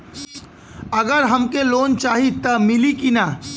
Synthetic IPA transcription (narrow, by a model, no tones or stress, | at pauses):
əɡəɾɦəmkelont͡ʃaːɦit̪əmilikina